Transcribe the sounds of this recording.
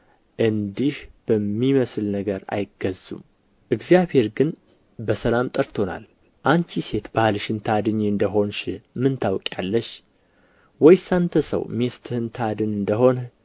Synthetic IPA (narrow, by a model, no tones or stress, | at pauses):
ʔɨnd̪ihb̥əmːiməsɨlnəɡəɾa̰jɪɡəzṵm | ʔɨɡzjaβhe̞ɾɡɨn | bəsəlamt̪ʼəɾt̪ʰo̞na̰l | ʔant͡ʃ̪ʰise̞t̪bahlʃɨnt̪ʰad̪ɨɲːɨnd̪əɦo̞nʃɪmɨnt̪ʰawkʼjalːəʃ | wɔjsant̪ʰəsə̰wmest̪ʰhɨnt̪ʰad̪ɨnɨnd̪əɦo̞n